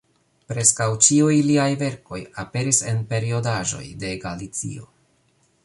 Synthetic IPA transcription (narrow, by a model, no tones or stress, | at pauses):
pɾe̞skawt͡ʃiujliajve̞ɾko̞jape̞ɾise̞npe̞ɾio̞daʒo̞̰jde̞ɡalit͡sḭo̞̰